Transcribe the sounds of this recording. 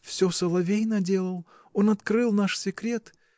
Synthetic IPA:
fsʲosəlˠɐvʲejnədʲe̞lˠəlˠ | onɐt̪kɾɨlˠnaʂsʲɪkɾʲe̞t̪

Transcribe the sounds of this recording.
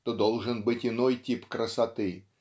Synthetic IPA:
t̪od̪olˠʐɨnbɨtʲɪnojtʲipkɾəsɐt̪ɨ

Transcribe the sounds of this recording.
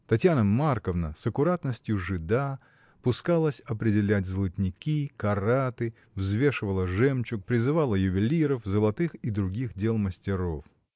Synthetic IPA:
t̪ɐtʲjanəmarkəvnəsəkʊɾat̪nəsʲtʲjʊʐɨd̪a | pʊskalˠəsʲɐpɾʲɪdʲɪlʲætʲzlˠətʲnʲɪkʲikɐrat̪ɨ | vzvʲe̞ʂɨvəlˠəʐɛmt͡ɕʊk̚pɾʲɪzɨvalˠəjʊvʲɪlʲiɾəfzəlˠɐt̪ɨxid̪ɾʊɡʲixdʲelˠməsʲtʲɪɾo̞f

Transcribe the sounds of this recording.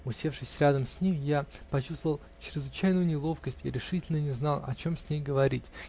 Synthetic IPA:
ʊsʲe̞fʂɨsʲɾʲad̪əmsʲnʲemjapɐt͡ɕust̪vəvəlˠt͡ɕɪɾʲɪzvɨt͡ɕæjnʊjʊnʲɪlˠo̞fkəsʲtʲḭɾʲɪʂɨtʲɪlʲnənʲɪznɑlˠɐ̰t͡ɕo̞msʲnʲejɡəvɐɾʲitʲ

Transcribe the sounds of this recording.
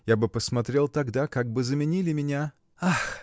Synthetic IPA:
jabɨpəsmɐt̪ɾʲe̞lˠt̪ɐɡd̪akaɡ̚bɨzəmʲɪnʲilʲɪmʲɪnʲa | ax

